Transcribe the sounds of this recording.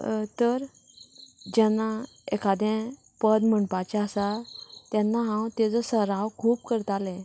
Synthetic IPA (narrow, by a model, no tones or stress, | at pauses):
t̪əɾ | d͡ʑɛnːa | ekad̪ɛ̃ | pəd̪məɳpat͡ɕaəsat̪janːaɦãwt̪ed͡zəsəɾawkʰuːp̚kəɾt̪alɛ̃